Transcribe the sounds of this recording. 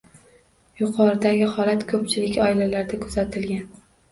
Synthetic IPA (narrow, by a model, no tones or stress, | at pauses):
jʊqʰɒɾɪd̪aɡʲɪhɒlat̪kʰɵp̚t͡ʃʰɪlɪkʲɒɪlalaɾd̪akʰɵzat̪ʰɪlɡʲan